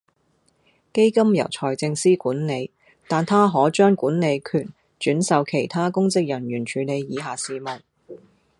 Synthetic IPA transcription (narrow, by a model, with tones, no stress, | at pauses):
ke˥jkɐ˥mjɐ̰˨˩wt͡sʰɔː˨˩jt͡sɪ˧ŋsiː˥kuː˨˥nne˨˧j | t̪aː˨nt̪ʰaː˥ɦɔː˨˥t͡ʃœː˥ŋkuː˨˥nne˨˧jkʰyː˨˩n | t͡ʃyː˨˥nsɐ˨˧wkʰe˨˩jt̪ʰaː˥kʊ˥ŋt͡sɪ˥k̚jɐ˨˩njyː˨˩nt͡ʃʰyː˨˧le˨˧jːiː˨˧ɦaː˨siː˨mɐ˨˩n